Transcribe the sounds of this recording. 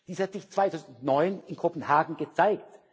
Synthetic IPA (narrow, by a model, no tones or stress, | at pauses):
d̥iːshatz̥ɪçt͡sv̥aɪtʰaʊzn̩tnɔʏnɪnkʰopn̩haːɡŋ̩ɡət͡saɪkt